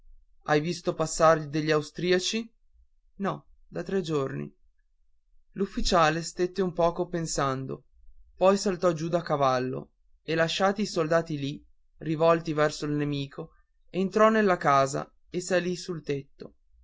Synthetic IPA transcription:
ajvist̪opasːaɾʎid̪eʎːiawst̪ɾiːat͡ʃi | nɔ | d̪at̪ɾɛd͡ʒornḭ | lufːit͡ʃaːlest̪et̪ːeumpɔːkopensand̪o̰ | pɔjsalt̪ɔd͡ʒud̪akavalːo̰ | elaʃːaːt̪iːsold̪aːt̪ili | rivɔlt̪ivɛrsoilnemiːkʰo | ent̪ɾɔnelːakaːza̰ | esalisult̪et̪ːo

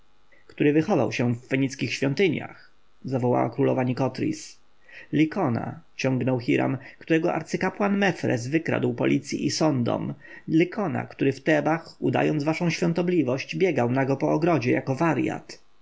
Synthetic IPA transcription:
kt̪uɾɘvɘxɔva̰wɕɛvːɛɲit̪skʲixɕfʲjɔnt̪ɘɲja̰x | zavɔwa̰wa̰kɾulɔvaɲikɔt̪ɾʲḭs | lʲikɔna̰t͡ɕɔŋɡnɔwxʲiɾa̰mkt̪uɾɛɡɔʔa̰ɾt̪sɘkapwanmɛfɾɛ̰zvɘkɾa̰d̪wpɔlʲit̪sʲjḭʔisɔnd̪ɔ̰mlʲikʰɔna̰kt̪uɾɘft̪ɛbaxud̪a̰jɔnd̪zvaʂɔ̃w̃ɕfʲjɔ̃nt̪ɔblʲivɔɕt͡ɕbʲjɛɡawnaɡɔpɔːɡɾɔd͡ʑɛjakɔvaɾja̰t̪

